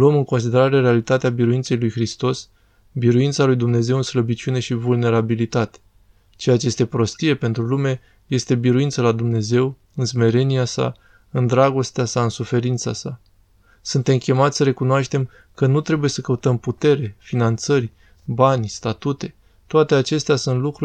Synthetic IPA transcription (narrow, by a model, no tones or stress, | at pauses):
loomɨŋkons̬id̪e̞ɾaɾe̞ɾealit̪at̪eabiɾuint̪se̞jlujxɾist̪o̞s | biɾuintsalujd̪umne̞ze̞wɨnsləbit͡ʃune̞ʃivulne̞ɾabilit̪at̪e̥ | t͡ʃejat͡ʃeje̞st̪epɾo̞st̪ie̞pe̞nt̪ɾulume̞ | je̞st̪e̞biɾuint̪səlad̪umne̞ze̞w | ɨnsme̞ɾe̞niasa̰ | ɨnd̪ɾaɡo̞st̪easaɨnsufe̞ɾint̪sa̰sa | sunt̪e̞mkʲe̞mat̪sʲsəɾe̞kunoaʃt̪e̞m | kənut̪ɾe̞buje̞səkəut̪əmput̪e̞ɾe̞finant̪sərʲ | banʲst̪at̪ut̪e̞ | t̪oat̪e̞at͡ʃe̞st̪easunt̪lukɾu